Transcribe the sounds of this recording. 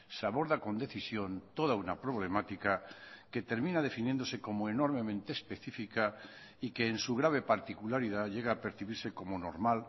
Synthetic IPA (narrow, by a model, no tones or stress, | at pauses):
saβo̞ɾðako̞nd̪e̞θisjo̞nt̪o̞ð̞aunapɾo̞βle̞mat̪ikake̞t̪e̞ɾmĩnað̞e̞finjend̪o̞se̞ko̞moeno̞ɾmẽ̞mẽnt̪eːspe̞θifika | ike̞ːnsuɣ̞ɾaβ̞e̞paɾt̪ikulaɾið̞aʎe̞ɣ̞aːpe̞ɾθiβiɾse̞ko̞mono̞̰ɾmal